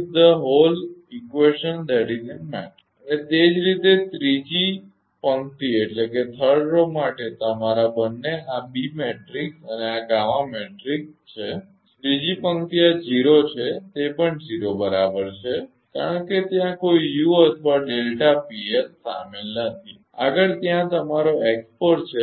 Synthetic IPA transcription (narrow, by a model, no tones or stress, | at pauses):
d̪əɦolikʋeʃənd̪ɛɽinemɛ̰ʈ | ənet̪ed͡ʒɾit̪et̪ɾid͡ʒi | pəŋt̪ieʈleket̪ʰəɾɖɾomaʈet̪əmaɾabənːeabimeʈɾiksəneaɡaʋãmeʈɾikt͡ʃʰe | t̪ɾid͡ʒipəŋkt̪iad͡ʒiɾot͡ʃʰet̪epəɳd͡ʒiɾobəɾabəɾt͡ʃʰe | ka̰ɾəɳket̪jãkoijuət̪ʰʋaɖelʈapiessa̰melnət̪ʰi | a̰ɡəɾt̪jãt̪əmaɾoekspəɾʈt͡ʃʰe